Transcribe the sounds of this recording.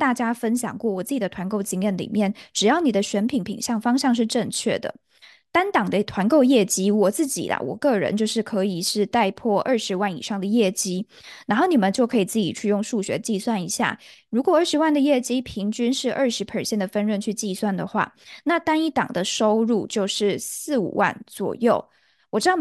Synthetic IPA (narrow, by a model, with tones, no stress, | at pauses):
t̪a˥˩t͡ɕja˥fə˥nɕjɑ̰˨˩ŋkwɔ˥˩wɔ˨˩t͡sɹ̩˥˩t͡ɕi˨˩ə˦t̪ʰwa˧˥nko˥˩ʊt͡ɕi˧˥ŋjɛ˧˥˩nlḭ˨˩mjɛ˥˩nʈ͡ʂɻ̩˨˩jɑ˥˩ʊni˨˩d̪ə˦ɕɥɛ˧˥npʰi˧˥ŋpʰḭ˨˩ŋɕjɑ˥˩ŋfɑ˥ŋɕjɑ˥˧ŋʂ̬ɻ̩˥˧ʈ͡ʂə˥˧ŋt͡ɕʰɥɛ̰˥˩d̪ə̰˩ | t̪a˥nt̪ɑ˨˩ŋd̪ə˦t̪ʰwa˧˥nko˥˧ʊjɛ˥˩t͡ɕi˥wɔ˨˩t͡sɹ̩˥˩t͡ɕḭ˨˩lɐ̰˦wɔ̰˨˩kɤ˥˩ɻə̰˧˦nt͡ɕjo˥˧ʊʂɻ̩˥˩kʰɤ˧˥i˨˩ʂɻ̩˥˧t̪a˥˧ɪpʰwɔ˥˧ʔə˥˩ʂɻ̩˧˥wa˥˩nḭ˨˩ʂɑ˥˩ŋd̪ə˩jɛ˥˩t͡ɕi˥ | na˧˥nxo˥˩ʊni˨˩mə˦nt͡ɕjo˥˩ʊkʰɤ˧˥i˨˩t͡sɹ̩˥˩t͡ɕḭ˨˩t͡ɕʰy˥˧jʊ˥˧ŋʂu˥˩ɕɥɛ̰˧˥t͡ɕi˥˧swa˥˩ni˧˥ɕja̰˥˩ɻu˧˥kwɔ˨˩ə˞˥˩ʂɻ̩˧˥wa˥˩nd̪ə˩jɛ˥˩t͡ɕi˥pʰi˧˥ŋt͡ɕy˥nʂɻ̩˥˧ʔə˞˥˩ʂɻ̩˧˥pʰə˨˩ɕjɛ˥˩nd̪ə˩fə˥nɻə˥˧nt͡ɕʰy˥˧t͡ɕi˥˧swa˥˩nd̪ə˩xwa̰˥˩na˥˩t̪a˥ni˥t̪ɑ̰˨˩ŋd̪ə˦ʂo˥ʊɻu˥˧t͡ɕjo˥˧ʊʂɻ̩˥˩sɹ̩˥˩ṵ˨˩wa̰˥˩nt͡swɔ̰˨˩jo˥˩ʊ | wɔ˨˩ʈ͡ʂɻ̩˥d̪